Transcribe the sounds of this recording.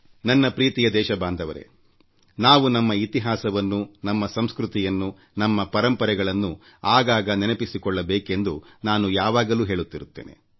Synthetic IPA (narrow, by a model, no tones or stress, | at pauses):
nɐnːɐpɾiːt̪ijɐd̪ɛːʃɐbaːnd̪ʱɐʋɐɾe̞̰ | naːʋunɐmːɐit̪iɦaːsɐʋɐnːunɐmːɐsɐmskɾut̪ijɐnːu | nɐmːɐpɐɾɐmpɐɾɛɡɐɭɐnːu | aːɡaːɡɐnɛnɐpisikɔɭːɐbeːke̞nd̪unaːnujaːʋaːɡɐluːɦe̞ːɭut̪ːiɾut̪ːeːne̞̰